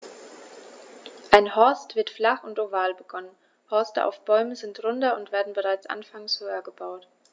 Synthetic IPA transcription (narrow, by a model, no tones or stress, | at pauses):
ʔaɪnhɔɐstv̥ɪɐtflaχʊntʔovaːlbəɡɔnən | hɔɐstə̰ʔa̰ʊfb̥ɔʏməzɪntʁʊndɐʊntv̥eːɐdn̩bəʁaɪt͡sʔa̰nfaŋshoːɐɡəbaʊt